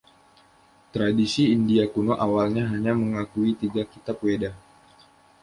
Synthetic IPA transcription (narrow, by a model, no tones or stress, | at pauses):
t̪ɾadisiːndiakunoʔawalɲaɦaɲaməŋakuit̪iɡakit̪apweda